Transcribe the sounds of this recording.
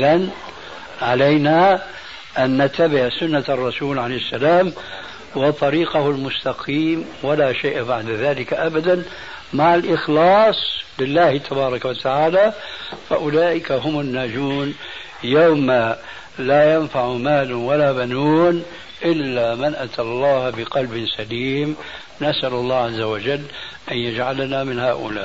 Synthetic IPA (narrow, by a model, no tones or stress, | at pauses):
ðan | ʕalajna | ʔanːat̪ːabɪʕsʊnːarˤːɑsuːlʕalejhɪsːalaːm | wɑt̪ˤɑɾiːqahʊlmʊst̪ɑqʰiːmwalaʃeːʔbaʕd̪aðaːlɪkaʔabad̪an | maʕalʔɪxlɑːsˤlɪlːaːht̪ʰabɑːɾˤɑkawat̪aʕaːlafaʔʊlaːʔɪkaɦʊmʊnːaːd͡ʒuːn | jawma | laːjanfaʕmaːlwalaːbanuːn | ʔɪlːamanʔat̪ʰalˤːɑːhbɪqɑlbɪnsaliːm | nasʔalɑlˤːɑːʕazːawad͡ʒalː | ʔanjad͡ʒʕalanamɪnhaːʔʊ̰laːʔ